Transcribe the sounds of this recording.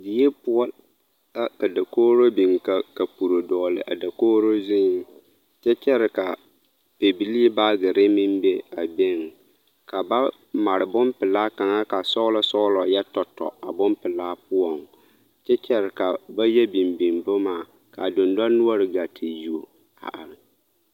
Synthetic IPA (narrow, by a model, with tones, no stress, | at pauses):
di˨˦e˦pʊ˦ɔ˦l | a˦ka˨da˨koː˦ɾo˦bi˨ŋka˨ka˨pu˨ɾo˨dɔː˨lɪ̰˨ʔa̰˨da˨koː˦ɾo˦zɪ˦ŋ˨ | t͡ʃɛ˦t͡ʃɛ˦ɾɪ˨ka˨ | pe˨bi˨li˦ba˦ɡɪ˨ɾɪ˦mɪ˦mbe˦a˨be˦ŋ | ka˨ba˦ | ma˨ɾɪ˨bʊ˦mpɪ˨laː˦ka˨ŋa˦ka˨sɔ˦ʊ˦lɔ˦sɔ˦lɔ˨jɛ˦tɔ˨tɔ̰˨a˨bʊ˦mpɪ˨laː˦pʊ˦ɔ˨ŋ | t͡ʃɛ˦t͡ʃɛ˦ɾɪ˨ka˨ba˦jɛ˦bi˨mbi˨nbʊ˦maː˨ | ka˨dʊ˨nda˦nu˦a˦ɾɪ˨ɡa˨tʰe˨ji˨o˨ | a̰˨ʔa˨ɾɪ˨